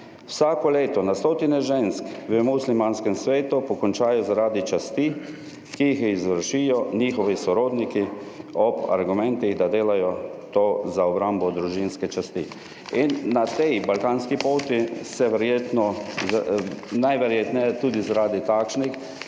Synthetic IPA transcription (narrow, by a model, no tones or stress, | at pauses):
wsaːkɔleːt̪ɔnast̪oːt̪inɛʒenskʋəmuslimanskɛmsʋeːt̪upɔkɔnt͡ʃaːjɔzaɾaːd̪it͡ʃast̪i | kijixizʋəɾʃijɔniːxɔʋisɔɾoːd̪niki | ɔpa̰ɾɡumɛnt̪iɣd̪ad̪eːlajɔt̪oːzaɔbɾambɔd̪ɾuʒinskɛt͡ʃast̪ḭ | inːat̪ɛjbalkaːnskipoːt̪isɛʋɛɾjeːt̪nɔznajʋɛɾjet̪nɛjɛt̪uːd̪izaɾaːd̪it̪aːkʃnix